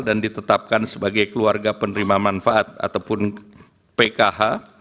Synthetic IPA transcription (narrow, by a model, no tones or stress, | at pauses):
dandit̪ət̪ap̚kansəbaɡajkəluarɡapənəɾimamanfaat̪̚a̰t̪awpʊn | pekaɦa